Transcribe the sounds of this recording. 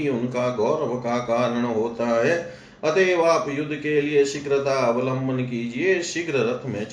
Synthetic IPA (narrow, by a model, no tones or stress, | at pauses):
iʊnkaɡɔːɾəʋkakaːɾəɽ̃ɦoːt̪aɦɛː | ɐt̪eːʋaːpjʊd̪ʱːkelɪeʃɪkɾət̪aɐʋlə̃mbʱənkid͡ʒieʃɪkɾəɾət̪ʰmẽt͡ʃ